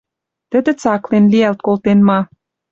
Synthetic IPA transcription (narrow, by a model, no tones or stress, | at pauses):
t̪ə̆d̪ə̆t͡sɑklenliælt̪̚kolˠt̪enmɑ